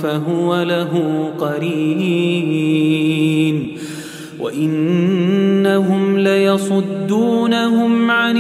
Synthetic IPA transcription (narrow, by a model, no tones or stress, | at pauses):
faɦʊwalaɦuqɑɾiː | n | wa̰ʔɪnː | aɦʊmlɪjɑsˤʊd̪ːuːnaɦʊmʕan